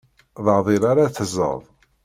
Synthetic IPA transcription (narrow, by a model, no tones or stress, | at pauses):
ðˤəʕðˤiɾaɾaθəzˤə̰ðˤ